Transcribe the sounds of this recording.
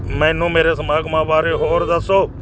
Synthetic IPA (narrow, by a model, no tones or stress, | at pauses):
mɛ̃ːnũːmeːɾeːsəmaːɡmãːʋaːɾeːɦoːɾd̪əsoː